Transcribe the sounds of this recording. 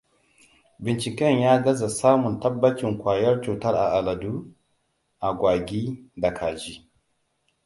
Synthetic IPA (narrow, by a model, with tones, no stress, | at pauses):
bɪ˨nt͡ʃɪ˨kɛ˦ɲjaː˦ɡɐ˦za˨saː˦mʊ˨ntɐ˦bːɐ˦t͡ʃɪ˨ŋkʷaː˨jɐ˦rt͡ʃuː˨tɐ˦rʔa̰˨ʔa˨la˨du˦ | ʔa˨ɡʷaː˨ɡʲiː˦da˨kʰaː˨d͡ʒi˦